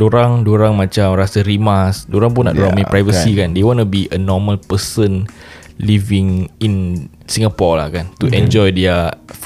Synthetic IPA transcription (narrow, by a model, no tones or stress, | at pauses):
doɾaŋdoɾaŋmãt͡ʃamɾasəɾimasdoɾaŋp̬unːa̰ʔdoɾaŋmãpɾajvəsikandewɔ̃nubiʔənɔməlpəsənlivĩŋin | sĩŋɡapɔla̰hkant̪uʔɛ̃nd͡ʒɔjdɛə